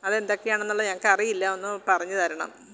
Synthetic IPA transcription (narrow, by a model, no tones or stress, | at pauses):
ɐðe̞nd̪o̞kːejaːɳenːulːɐɲɐŋːɐkːɨɐrijilːɐo̞nːɨpɐrɐɲːɨt̪ɐɾɐɳɐ̰m